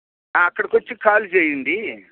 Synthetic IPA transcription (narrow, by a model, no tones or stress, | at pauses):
aːɐkːɐɽɐkot͡ʃːikaːlut͡ʃeːjind̪i